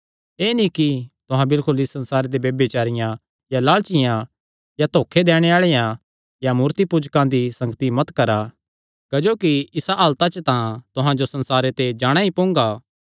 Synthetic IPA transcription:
eːnĩkit̪ʊɦãbɪlkʊlɪsːɐ̃nsaːɾed̪ebeːbet͡ʃaːɾɪjã | jalaːɭt͡ʃɪjã | jat̪oːkʰed̪ɛːɽ̃eaːɭejã | jamuːɾt̪ipuːd͡ʒkãd̪isɐ̃ŋɡət̪imɐt̪kɐɾa | kɐd͡ʒoːkiɪsaaːlt̪at͡ʃət̪ãt̪ʊɦãd͡ʒosɐ̃nsaːɾet̪ed͡ʒaːɽ̃aipõːŋɡaː

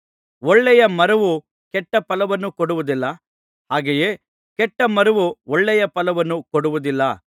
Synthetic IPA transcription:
ɔɭːɛjɐmɐɾɐʋu | kɛʈːɐpɐlɐʋɐnːukɔɽuʋud̪ilːɐ | haːɡejeː | kɛʈːɐmɐɾɐʋuɔɭːɛjɐpɐlɐʋɐnːukɔɽuʋud̪ilːɐ

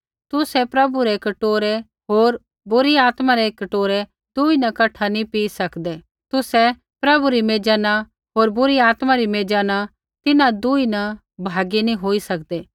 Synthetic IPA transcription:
t̪ʊsɛpɾɐbuɾekɐʈoːɾe | ɦoːɾ | bʊɾiaːt̪maɾekɐʈoːɾe | d̪̥uːinɐkɐʈʰanĩpiːsɐkd̪eː | t̪ʊsɛ | pɾɐbuɾimeːd͡ʒaːna | ɦoːɾbʊɾiaːt̪maɾimeːd͡ʒaːna | t̪ɪnãd̪uːinɐ | bʱaːɡinĩɦoːisɐkd̪eː

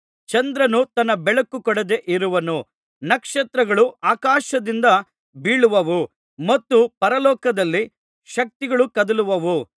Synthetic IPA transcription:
t͡ʃɐnd̪ɾɐnut̪ɐnːɐbɛɭɐkːukɔɽɛɐd̪e̞ʔiɾuʋɐnu | nɐkʂɐt̪ɾɐɡɐɭuʔaːkaːʃɐd̪ind̪ɐ | biːɭuʋɐʋu | mɐt̪ːupɐɾɐlɔːkɐd̪ɐlːi | ʃɐk̚t̪iɡɐɭukɐd̪ɐluʋɐʋu

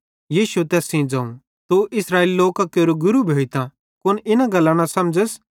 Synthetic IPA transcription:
jiːsuet̪ɛːsĩd͡zãːṵ̃ | t̪oʔɪsɾaːeːliloːkakeːɾoɡʊɾubʱoːit̪ã | kʊnɪnãɡɐlːãnãsɐmd͡ʒəs

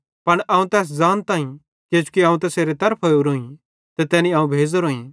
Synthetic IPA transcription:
pɐɳʔɐːũt̪ɛːs̬d͡zaːnt̪aːĩ | d͡ʒeːd͡ʒu̥kiɐ̃ːũt̪̬ɛːseːɾet̪ɐɾpʰoːjuɾoːĩ | t̪ɛt̪ɛːnĩãːũbʱeːd͡zɾoːĩ

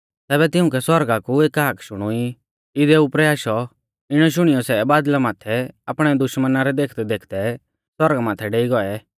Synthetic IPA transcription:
t̪ɛːβɛt̪ɪʊ̃k̬ɛswɔɾɡakueːkɦakʰʃʊɽ̃ʊi | ɪd̪ɛupɾɛaːʃɔ | ɪɽ̃ɔʃ̬ʊɽ̃ijɔsɛbaːd̪lamaːt̪ʰɛapɽ̃ɛd̪ʊʃmənaɾɛd̪eːkʰd̪ɛd̪eːkʰd̪ɛ | sɔɾɡamaːt̪ʰɛɖeːiɡɔɛ

